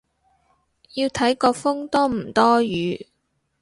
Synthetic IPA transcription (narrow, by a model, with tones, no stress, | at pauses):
ji˧wt̪ʰɐ˨˥jkɔː˧fʊ˥ŋt̪ɔː˥m̩˨˩t̪ɔː˥jyː˨˧